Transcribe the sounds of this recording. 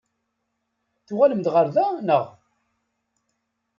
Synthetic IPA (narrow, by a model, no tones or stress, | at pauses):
θuʁaləmd̪ʁəɾðænəʁ